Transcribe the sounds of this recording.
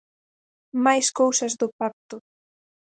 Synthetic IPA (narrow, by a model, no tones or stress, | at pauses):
majskowsɐzðʊpak̚t̪ʊ